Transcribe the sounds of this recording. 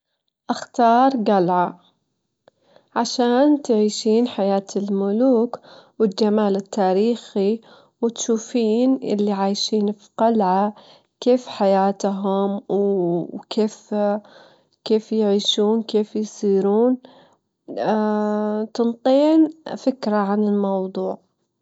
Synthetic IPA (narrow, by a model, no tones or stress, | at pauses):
ʔaxt̪ɑːɾˤɡalʕa | ʕaʃaːnt̪ʕiːʃiːnħajaːt̪ɪlmʊluːkwɪld͡ʒamaːlɪt̪ːaːɾiːxi | wɪt̪ʃuːfiːnʔɪ̰lːiʕaːjʃiːnfi̥ɡalʕa | keːfħajaːt̪ɦʊmwkʰeːf | keːfjɪʕiːʃuːnkeːfjsˤiːɾuːn | t̪ɨnt̪ˤiːnfɪkɾaʕanɪlmɑwd̪ˤuːʕ